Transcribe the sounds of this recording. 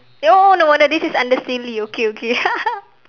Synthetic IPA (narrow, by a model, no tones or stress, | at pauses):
oʔonoənədisisãndəsiliokeokea